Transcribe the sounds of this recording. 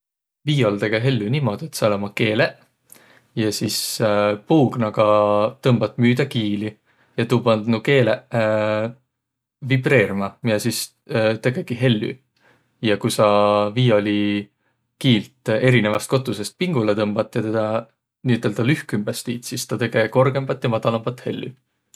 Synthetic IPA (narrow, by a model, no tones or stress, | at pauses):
viːo̞ld̪e̞ɡ̥eɦe̞lʲːynimo̞d̪ie̞t̪solemɑke̞ːle | jɑsispuːɡ̥nɑɡ̥ɑt̪ɤmb̥ɑt̪ːˑmyːd̪̥ɑkiːli | jɑt̪uːbɑnd̪nuke̞ːle | vibre̞ːɾmɑmijɑsis | t̪e̞ɡ̥e̞ɡ̥iɦe̞lːy̰ | jɑkusɑviːo̞lʲi | kiːlt̪e̞ɾine̞vɑst̪̚ko̞t̪ːˑuse̞st̪̚piŋɡ̥ulet̪ɤmb̥ɑt̪ːˑjɑt̪ed̪̥ɑ | niyt̪ːˑeld̪ɑlyhkymbest̪iːt̪sist̪ɑt̪e̞ɡ̥e̞ko̞rɡ̥e̞mb̥ɑt̪ːjɑmɑd̪̥ɑlɑmb̥ɑt̪ːˑhe̞lːy̰